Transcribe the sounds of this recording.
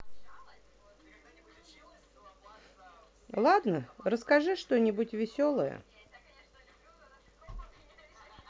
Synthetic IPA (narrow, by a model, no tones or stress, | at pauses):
lˠad̪nəɾəskɐʐɨʂt̪onʲɪbʊtʲvʲɪsʲolˠəjə̰